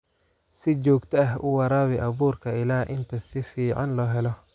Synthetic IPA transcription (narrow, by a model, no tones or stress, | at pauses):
sɪt͡ʃɔːɡt̪ʰɐɐɦʔʊwɑɾaːβɛʔɐβuːrkʰɐɪlaːʔɪnt̪ʰɐsɪfiːʕɑnlɔːɦɛlɔ